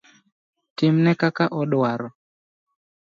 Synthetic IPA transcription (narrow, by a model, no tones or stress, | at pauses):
tim̩nɛkakaʔɔɗaɾɔ